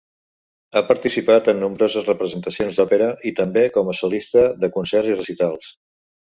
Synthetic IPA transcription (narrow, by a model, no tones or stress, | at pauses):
apəɾt̪isipat̪ənːumbɾozəzrəpɾəzənt̪əsionzd̪ɔpeɾəʔit̪əmbekɔməsulist̪əðəkunsɛrzirəsit̪alˠs